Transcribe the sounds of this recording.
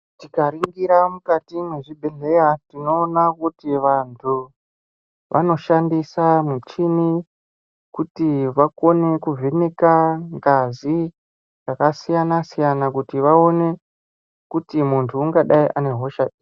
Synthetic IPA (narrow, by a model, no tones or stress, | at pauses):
tikaɾiŋɡiɾamukatimwe̞ʐibʱeɬe̞jatino̞ːnakutiʋantʰu | ʋʔa̰no̞ʃandisamut͡ʃini | kutiʋako̞ne̞kuvʱe̞ne̞kaŋɡazi | rakasijanasijanakutiʋao̞ne̞ | kutimuntʰuːŋɡaɗaiʔane̞ɦo̞ʃaɗi